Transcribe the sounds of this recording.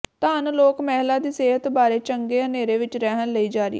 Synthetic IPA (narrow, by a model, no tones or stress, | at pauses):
t̪aːnloːkmɛːɦlaːd̪iːseːɦət̪baːɾeːt͡ʃəŋɡeːəneːɾeːʋɪt͡ʃɾɛːɦənləiːd͡ʒaːɾḭ